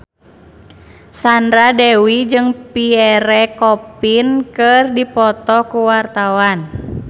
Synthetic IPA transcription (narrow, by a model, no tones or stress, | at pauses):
sandɾadɛwid͡ʒɨŋpiɛɾɛkɔpinkɨrdipɔt̪ɔkuwart̪awan